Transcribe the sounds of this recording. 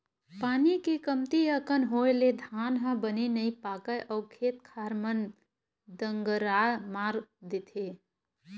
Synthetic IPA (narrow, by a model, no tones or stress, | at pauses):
paːnikikəmt̪iəkənɦoːeled̪ʱaːnɦə̃bəninɐĩpaːkəjʔɔːkʰeːt̪̚kʰaːɾmən | d̪əŋɡəɾaːmaːɾd̪ɪt̪ʰeː